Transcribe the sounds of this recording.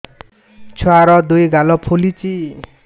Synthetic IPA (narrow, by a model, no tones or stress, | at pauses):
t͡sʰwaɾʌd̪ujɡʱalɔpʰolit͡si